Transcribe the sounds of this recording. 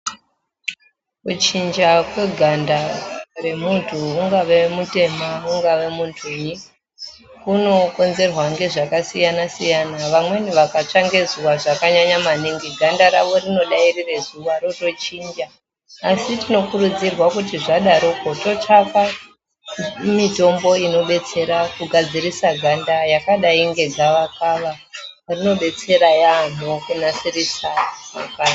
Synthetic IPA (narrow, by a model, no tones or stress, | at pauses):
kut͡ʃind͡ʒakwe̞ɡʱandare̞muntʰuːŋɡaʋe̞mute̞mauŋɡaʋe̞muntʰuɲi | kuno̞ko̞nze̞rwaŋɡe̞ʐakasijanasijanaʋamwe̞niʋakat͡ʂaŋɡe̞zuwaʐakaɲaɲamaniŋɡiɡʱandaɾaʋo̞rino̞ɗairire̞zuʋaɾoto̞t͡ʃiːnd͡ʒaː | sitino̞kurud͡zirwakutiʐaɗaɾoko̞to̞t͡ʂaka | mito̞mbo̞ino̞ɓe̞t͡se̞ɾakuɡʱad͡ziɾisaɡʱandajakaɗaiŋɡe̞ɡʱaʋakaʋa | rino̞ɓe̞t͡se̞ɾajan̤okunasirisama̰kaa